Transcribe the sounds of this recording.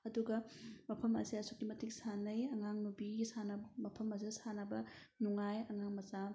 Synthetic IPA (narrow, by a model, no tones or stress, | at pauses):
ɐduɡɐmɐpʰɐmɐ̰siɐsukːimɐtʰik̚sanɐjɐŋaŋnubisanɐbmɐpʰɐmɐs̬isanɐbɐ | nuŋajɐŋaŋmɐza